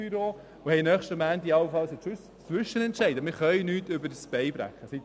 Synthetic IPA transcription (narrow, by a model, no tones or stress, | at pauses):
yɾoː | ʊhɛɪnœːχʃtəmæːnt̪iɑlwəfɑlsɛt͡ss | t͡sʋʏʃənɛntʃɛɪdəmɪːɾχœʏnyːtʏbəɾsb̥ɛɪbɾæ̰χːəsit